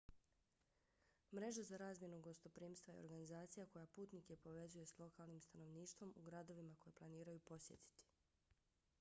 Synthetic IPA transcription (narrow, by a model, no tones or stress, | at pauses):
mɾe̞ʒazaɾaːzmʲje̞nuɡo̞st̪o̞pɾiːmst̪ʋajeo̰ɾɡanizaːt̪sijako̞japuːt̪nikje̞po̞ʋe̞zuje̞slˠo̞kaːlˠnimst̪ano̞ʋniːʃt̪ʋo̞muɡɾad̪o̞ʋimako̞jeplˠaniːɾajupo̞sje̞̰t̪i̥t̪i̥